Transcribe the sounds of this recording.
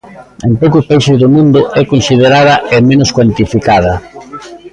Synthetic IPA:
empowkʊspaiʃʊzðʊmũnd̪ʊɛkonsið̞eɾað̞ɐʔemẽnʊskwant̪ifikað̞ɐ

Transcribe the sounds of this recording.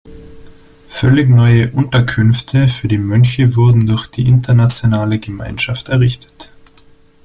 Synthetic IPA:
fœlɪçnɔʏəʔʊntɐkʰʏnftʰəfyːɐdiːmœnçəvʊɐdn̩dʊɐçd̥iːʔɪntɐnat͡sjonaːləɡəma̰ɪnʃaftɛɐʁɪçtʰə̥t

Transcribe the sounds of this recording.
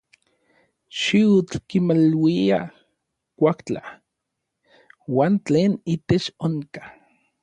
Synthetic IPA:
ʃiut͡ɬkimalwia | kʷakt͡ɬa̰ | waːnt͡ɬeːnit̪et͡ʃoŋkḁ

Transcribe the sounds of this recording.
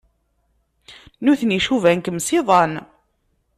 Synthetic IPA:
nuθniʃuvænkəmsiðˤɑn

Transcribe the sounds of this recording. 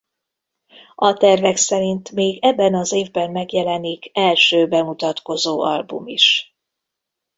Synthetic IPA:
ɒt̪ɛrvɛksɛɾint̪meːɡɛbːɛnɒzeːvbɛmːɛɡjɛlɛnikʰɛlʃøːbɛmut̪ɒt̪ko̞zoːɒ̰lbṵmiʃ

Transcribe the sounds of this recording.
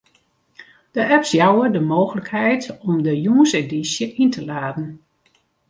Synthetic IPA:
d̥əʔɛpsjawədəmoːxələkhɛjtɔmdəjuːənsedisjəʔintʰəlaːdn̩

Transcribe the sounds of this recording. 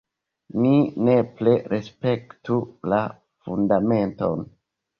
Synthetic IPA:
nine̞pleɾespe̞ktula | fundame̞nto̞̰n

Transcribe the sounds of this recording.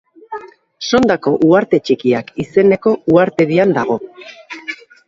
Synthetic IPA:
so̞nd̪ako̞ʔuaɾt̪e̞t͡ʃikiakise̞ne̞ko̞uaɾt̪e̞ðiand̪aɣ̞o̞

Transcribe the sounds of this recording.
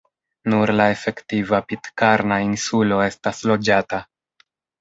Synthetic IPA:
nuɾlae̞fe̞ktivapitkaɾnainsulo̞e̞staslo̞d͡ʒata

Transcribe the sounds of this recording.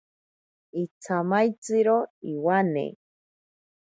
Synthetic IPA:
it͡sʰamajt͡sɨɾoiwanḛ

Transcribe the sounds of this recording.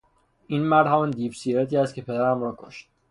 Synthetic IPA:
ʔiːnmæɾd̪hæmɒːnd̪iːbsiːɾet̪iːæst̪̚cʰe̞pʰe̞d̪æɾæmɾɔːkʰo̰ʃt̪̚

